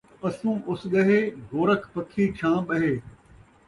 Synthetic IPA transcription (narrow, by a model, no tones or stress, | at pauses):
ɐsũːʔʊsɠɐɦeːɡoːɾəkʰpɐkʰiːt͡ʃʰãːɓɐɦeː